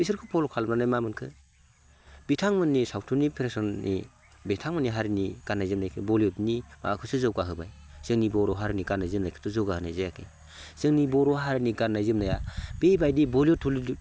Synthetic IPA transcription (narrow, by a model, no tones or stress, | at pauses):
isɯɾkʰɯpʰɔlɔkʰalmnanajmamɯnkʰɯ | bitʰaŋmɯnːisawtʰunipʰeɾesɔnːḭ | betʰaŋmɯnːiɦaɾiniɡ̥anːajzɯmnajkʰɯbɔljɔtnima̰kʰɯsɯzɯwɡaɦɯbaj | z̥ɯŋnibɔɾɔɦaɾiniɡanːajzɯmnajkʰɯ̥tʰɯzɯwɡahɯnajzajakʰɯ | z̥ɯŋnibɔɾɔɦaɾiniɡanːajzɯmnajab̥ejbajdibɔljɔtʰulid